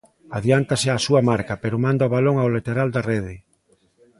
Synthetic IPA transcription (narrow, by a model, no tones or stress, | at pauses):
aðjant̪asɪasuɐmaɾkapeɾʊmãnd̪aoβaloŋawlet̪eɾald̪arɛð̞ɪ